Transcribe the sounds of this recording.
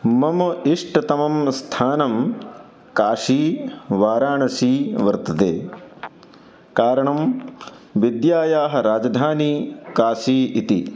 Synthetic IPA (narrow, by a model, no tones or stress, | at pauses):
mɐmɐiʂʈɐt̪ɐmɐmst̪ʰaːnɐm | kaːʂiːʋaːɾaːɳɐsiːʋɐɾt̪ɐd̪ḛː | kaːɾɐɳɐm | ʋid̪jaːjaːɦɐ̆ɾaːd͡ʒɐd̪ʱaːniːkaːʃiːit̪i